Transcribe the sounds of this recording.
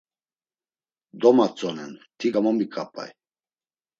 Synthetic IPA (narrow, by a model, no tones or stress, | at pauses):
d̪ɔmat͡sʼɔnɛnt̪ʰiɡamɔmikʼapʼa̰j